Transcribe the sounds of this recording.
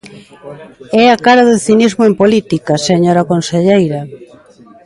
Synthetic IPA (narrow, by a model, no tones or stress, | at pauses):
ɛakaɾaðɪθinizmoempolit̪ikaseɲoɾakonseʎejɾɐ